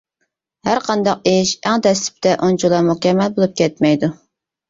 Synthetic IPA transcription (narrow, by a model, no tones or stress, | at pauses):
hæɾqʰɑnd̪ɑq̚ɪʃæŋd̪ɛst̪ɪ̥p̚t̪ʰɛʔont͡ʃʰulˠɑmukʲɛmːɛlbolˠup̚kʲɛt̪̚mɛjd̪u